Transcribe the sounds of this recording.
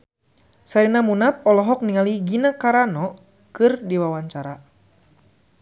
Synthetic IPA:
saɾinamunap̚ɔlɔɦɔk̚niŋaliɡinakaɾanɔ | kɨrdiwawaɲt͡ʃaɾa

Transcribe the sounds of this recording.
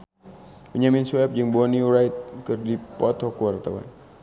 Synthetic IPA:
pəɲaminswɛp̚d͡ʒɨŋbɔniuɾajt̪̚kɨrdipɔt̪ɔkəwart̪awa̰n

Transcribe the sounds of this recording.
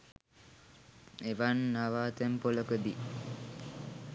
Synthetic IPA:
eʋanːaʋaːt̪empoləkəd̪i

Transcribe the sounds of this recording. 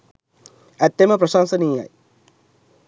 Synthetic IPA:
æt̪ːeməpɾəʃansənija̰j

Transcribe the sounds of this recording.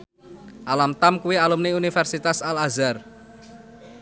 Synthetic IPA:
ʔalamt̪amkuwialumniunifɛrsit̪asalazar

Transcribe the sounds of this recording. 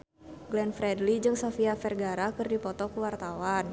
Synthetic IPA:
ɡlɛnfɾɛdlid͡ʒɨŋsofiafɛrɡaɾakɨrdipɔt̪ɔkuwart̪awan

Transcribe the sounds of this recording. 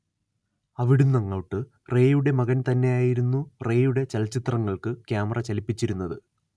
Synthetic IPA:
ɐʋiɽunːɐŋːɐwʈːɨ | re̞ːjuɽe̞mɐɣɐnt̪ɐnːe̞jaːjiɾunːure̞ːjuɽe̞t͡ɕɐlɐt͡ɕːit̪rɐŋːɐɭkɨkʲjaːmɐrɐt͡ɕɐlipːit͡ɕːiɾunːɐðɨ

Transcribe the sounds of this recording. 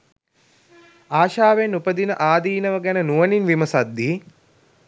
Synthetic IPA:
aːʃaːʋenupəd̪inə̰ʔaːd̪iːnəʋəɡænənuəninʋiməsad̪ːi

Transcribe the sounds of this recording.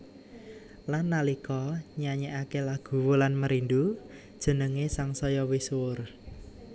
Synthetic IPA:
lanːalikɔɲaɲɛʔakelaɡ̥ṳwulanməɾind̪ud̥ʒ̥ə̤nəŋesaŋsɔjɔwisʊr

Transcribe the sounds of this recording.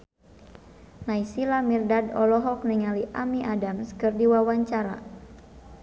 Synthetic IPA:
naisilamirdadɔlɔɦɔk̚niŋaliʔamiʔadamskɨrdiwawaɲt͡ʃaɾa̰

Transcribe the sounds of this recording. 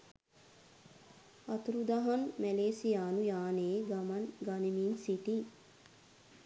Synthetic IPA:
ɐt̪uɾud̪aɦanmæleːsijaːnujaːneːɡamanɡanimiːnsiʈi

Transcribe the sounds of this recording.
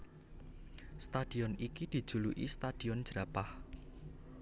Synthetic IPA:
st̪ad̪̥i̤ɔnikid̪̥i̤̥ʒ̥ṳluʔḭst̪ad̪̥i̤ɔnd͡ʒ̥ɾapah

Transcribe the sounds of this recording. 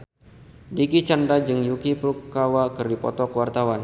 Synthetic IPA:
dikit͡ʃandad͡ʒɨŋjukipɾukːawakɨrdipɔ̰t̪ɔkəwart̪awan

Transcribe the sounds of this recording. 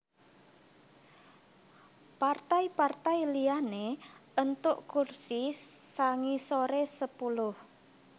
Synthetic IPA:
part̪aipart̪ajlijaneənt̪ʊʔkursisaŋisoɾesəpulʊh

